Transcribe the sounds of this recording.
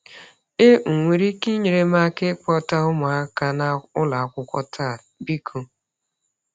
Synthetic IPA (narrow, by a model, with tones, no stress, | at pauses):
e˦ŋ̩˨ŋʷe˨ɾi˦ki˦ɲe˨ɾe˦ma˦ke˦kɔ˦ta˦ʊ˦ma˨a˦ka˦na˦ʊ˦la˨a˨kʷʊ˨kʷɔ˦tʰa˦˨ | bi˦kʰo˨